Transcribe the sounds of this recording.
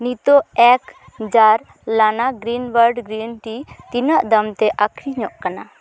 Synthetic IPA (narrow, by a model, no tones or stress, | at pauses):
nit̪oɛk | d͡ʒaɾ | lanaɡɾinwəɾɖɡɾinʈit̪inəʔd̪əmt̪ɛʔakʰɾiɲɔʔkana